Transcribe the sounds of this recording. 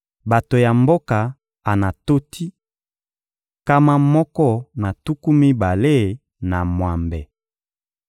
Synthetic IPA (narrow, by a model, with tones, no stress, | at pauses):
ba˨to˨ja˨mbo˦ka˨ | a˨na˨to˦tʰi˦ | ka˦ma˦mɔ˦kɔ˦na˨tu˦ku˦mi˦ba˨le˦ | na˨mwa˨mbɛ˨